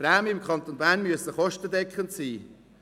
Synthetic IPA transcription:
ɾaːmiɪmkχɑnt̪onbæːrnmyəsəχɔʃtədɛkχənt̪siː

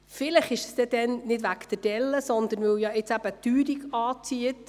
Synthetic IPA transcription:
fɪləχɪʃsd̥̪ɛd̪ɛnnɪdʋækt̪əd̥ɛlːəsɔnd̪ənʋɵwjɑɪt͡sæb̥ət̪yːɾiɡɑːt͡siət

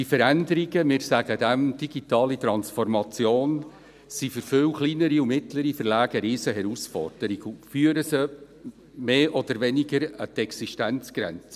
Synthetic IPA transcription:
ifəɾænd̪əɾiɡəmɪːɾsæɡ̥ədæmd̥iɡit̪ɑːlit̪ɾɑnsfɔɾmɑt͡sjoːn | sifʏɾfʏwχliːnəɾiʊmɪtləɾifərlæːɡ̥əɾɪːsəɦɛɾusfɔ̰rd̥əɾiɡufyəɾəsə | meːʔɔd̪əɾʋɛniɡəɾət̪ɛksiʃtænt͡sɡ̥ɾɛ̰nt͡sə̥

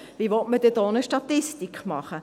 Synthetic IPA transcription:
ʋiʋɔtməd̥ɛd̥̪ɔːnəʃtɑt̪ɪst̪ikχmɑχə

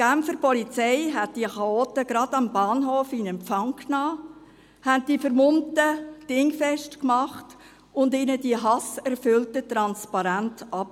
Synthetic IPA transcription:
ɡ̥æmfəɾpɔlit͡sɛɪɦɛt̚d̥iəχɑoːtəɡ̥ɾɑdɑmbɑːnɦoːfinɛmpfɑŋkʰnɑː | hænt̚d̥ifəɾmʊntəd̥ɪŋfɛʃtkmɑχt | ʊndinədiəɦɑsɛɾfʏltətɾɑnspɑɾæntʔɑp

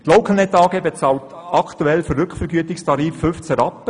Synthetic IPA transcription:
t̪loʊkʰəlnɛtɑːɡebet͡sɑːltɑkʰtuɛlfərɾʏkfəɾɡyətɪkstʰɑɾiːffʏft͡sæɾɑpːə

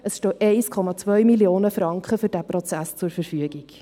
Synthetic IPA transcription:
əsʃtɔːʔɛɪskʰɔmɑt͡svœɥmiljoːnəfɾɑŋkχəfʏɾd̥æpɾɔt͡sæst͡sʊɾfəɾfyəɡiɡ̥

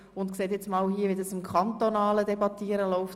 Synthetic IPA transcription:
ʊntkseːt̪jɛt͡smɑːlhiəʋid̪ɑsɪmkʰɑnt̪onɑːlədɛbɑt̪iːəɾəlɔʊft

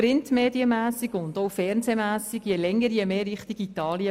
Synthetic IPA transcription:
rɾɪntmeːdiəmæːsiɡʊndowfɛɾnzemæːsiɡjɛlɛŋːəɾjemeːɾɪχtiɡ̥it̪ɑːliə

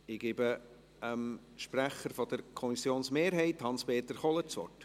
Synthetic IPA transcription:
ɪɡ̥ɪbə | əm | ʃpræχəɾfɔd̪əɾkʰɔmisjoːnsmeːɾɦɛɪthɑnspeːt̪əɾχɔlət͡sʋɔ̰rt

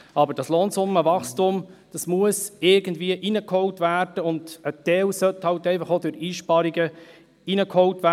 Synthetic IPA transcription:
ɑbəɾd̥ɑsloːnsʊmːəvɑχstʊmd̥ɑsmuəsɪɾɡ̥ən̩dviəʔinəkhɔwtvæːrd̥əʊnd̥ət̪ɛlsœthɑwtɛɪfɑχodøɾiːʃpɑɾiɡə | inəkhɔwtʋæ

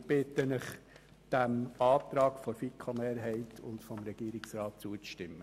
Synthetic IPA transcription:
b̥ɪt̪ənɪχ | d̥æmɑːt̪ɾɑːkfɔɾfikʰːomeːɾɦɛɪtʰʊ̰ntfɔmɾɛɡ̥iːɾɪksrɑːt̚t͡suət͡sʃtɪmːə

